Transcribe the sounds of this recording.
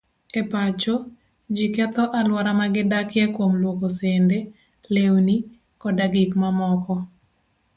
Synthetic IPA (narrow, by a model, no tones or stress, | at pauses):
epat͡ʃo | d͡ʒikɛt̪ɔʔalwaɾamaɡɪdakɪjɛkwomlwokosende | lewni | kɔdaɡɪkmamɔkɔ